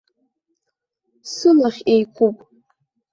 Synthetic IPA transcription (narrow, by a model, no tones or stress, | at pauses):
sɨlaχʲejkʷʰupʼ